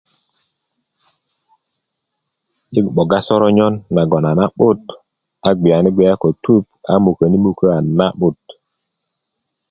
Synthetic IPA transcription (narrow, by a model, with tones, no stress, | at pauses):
ɗi˦ɡɓo˨ɡa˦so˦ɾo˦ɲo˦nːa˨ɡo˨na˨na˦ɓu˦t | a˨ɡ͡bi˨a˨ni˦ɡ͡be˨ja˦ko˨tu˦p̚a̰˦mu˨kə˨ni˦mu˨kə˦a˨na˦ɓu˦˨t